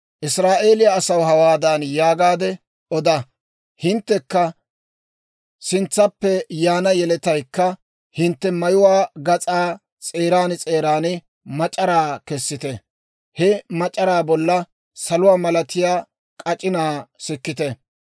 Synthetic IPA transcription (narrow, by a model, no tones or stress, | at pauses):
ʔɪsɾaːʔe̞ːlɪjaːsɐwɦɐwaːd̪anjaːɡaːd̪ɛ | ʔɔd̪ɐ | hɪnt̪ːɛkːɐ | sɪnt͡sːɐpːɛjaːnɐjɛlɛt̪ɐjkːɐ | hɪnt̪ːɛmɐjʊwaːɡɐt͡sʼaː | t͡sʼe̞ːɾaːnɪt͡sʼe̞ːɾaːnɪ | mɐt͡ʃʼɐɾaːkɛsːɪt̪ɛ | hɛmɐt͡ʃʼɐɾaːbɔlːɐ | sɐlʊwaːmɐlɐt̪ɪjaː | kʼɐt͡ʃʼɪnaːsɪkːɪt̪ɛ